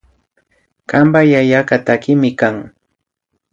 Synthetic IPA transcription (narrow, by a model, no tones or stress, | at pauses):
kambajajakat̪akɪmɪkaŋ